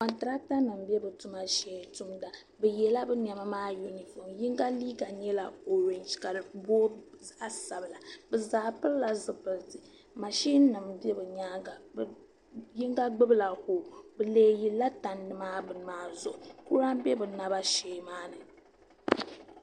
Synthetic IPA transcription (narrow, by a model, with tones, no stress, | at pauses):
kɔ˨ntɨ˨ɾa˦k̚ta˦nɨ˨mbɛ˦bɨ˨tu˦ma˦ʃɛ˦˨˦tu˦mda˨ | bɛ˨jɛ˨la˦bɨ˦ɲ˨a˨ma˦maː˦ju˦ni˨fɔ˨mji˦ŋɡa˦liː˦ɡa˨ɲɛ˦la˨o˨ɾe˨nd͡ʒka˨ɨ˨boː˦za˦ʔsa˨bɨ˨la˨bɨ˨zaː˨pɨ˦ɾla˨zɨ˨pɨ˨ltɨ˨ | ma˨ʃi˦nː˦ɨ˨mbɛ˦bɨ˨ɲa˦ɡa˨b | ji˦ŋɡa˦ɡ͡bɨ˦bɨ˦la˨hoː˨bɨ˨leː˨˦ji˨lːa˦ta˨nːɨ˨maː˦bɨ˨maː˨˦zʊ˨ʔʊ˨ku˦ɾa˦m˦bɛ˦bɨ˨na˨ba˦ʃɛ˨˦maː˦nɨ˨